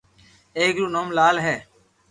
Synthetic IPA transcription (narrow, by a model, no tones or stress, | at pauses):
eːɡɾuːnoːmlaːlɦɛː